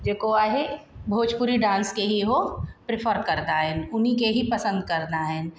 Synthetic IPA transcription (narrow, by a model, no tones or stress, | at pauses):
d͡ʒeːkoaːɦebʱoːd͡ʒpuɾiɖãːnskeɦiɦopɾɪpʰəɾkɐɾd̪aɦɛnʊnikeɦipɐsə̃nd̪̚kɐɾnaɦɛn